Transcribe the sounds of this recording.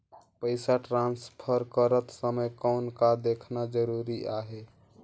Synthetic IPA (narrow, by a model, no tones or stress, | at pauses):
pəɪsaʈɾanspʰəɾkəɾət̪səməjkɔʊnkad̪ekʰnad͡ʒəɾuɾiʔaɦe